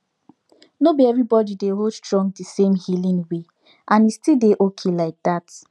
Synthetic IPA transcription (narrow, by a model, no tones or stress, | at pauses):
nobiɛvɹibɔdideɦodtɹɔ̃ŋdisẽmhilĩnwe | ʔãnistildeʔokʰelaɪk̚d̥at